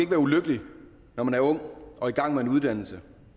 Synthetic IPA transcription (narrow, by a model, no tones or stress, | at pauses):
eɡ̥əʋæːɐuløɡ̥əli | nɒmænæɐɔ̽ŋ̰ɒ̽iɡ̥ɑ̈ŋ̰meenuð̞ˠd̥æn̰l̩sə